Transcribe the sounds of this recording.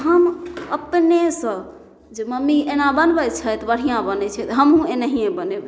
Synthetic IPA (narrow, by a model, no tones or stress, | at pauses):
ɦəməpnesə̃ | d͡ʒeməmːienabənbət͡ʃʰət̪bəɽ̤ijãbənɛt͡ʃʰɛt̪ɦəmũenəɦijẽbəneb